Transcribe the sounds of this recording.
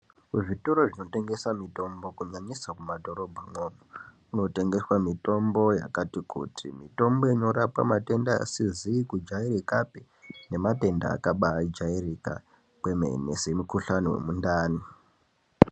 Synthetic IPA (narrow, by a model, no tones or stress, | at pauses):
uʐitoɾoʐino̞te̞ŋɡe̞samito̞mbo̞kuɲaɲisakumadʱo̞ɾo̞bʱamoːmo | uno̞te̞ŋɡe̞swamito̞mbo̞ja̰katikṵtʰḭmito̞mboiɲoɾapa̰mate̞ndaa̰siziːkud͡ʒaiɾikapi | ne̞mate̞nda̰ːkaɓaːd͡ʒairika̰ | kwe̞maḛnḛsemukuɬanowḛmundaːni